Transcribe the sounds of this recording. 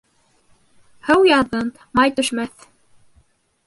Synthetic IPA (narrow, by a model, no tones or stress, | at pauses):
hɘwjɑðɤnt̪ | mɑjt̪ɵ̆ʃmæθ